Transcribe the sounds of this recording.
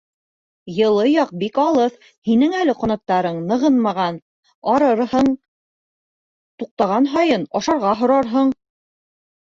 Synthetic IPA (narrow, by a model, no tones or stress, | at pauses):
jɤ̆lˠɤjɑq̚bikɑlˠɤθ | hinɘŋælɘqŏnɑ̆q̚t̪ɑɾɤɴnɤ̆ʁɤnmɑʁɑn | ɑɾɤɾhɤɴ | t̪uq̚t̪ɑʁɑnɦɑjɤnɑʃɑɾʁɑɦŏɾɑɾɦɤɴ